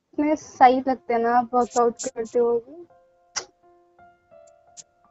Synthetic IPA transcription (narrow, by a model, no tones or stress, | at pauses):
mẽsait̪lɐɡ̚t̪eɛnabəːkaʊʈkəɾt̪eɦoːɡe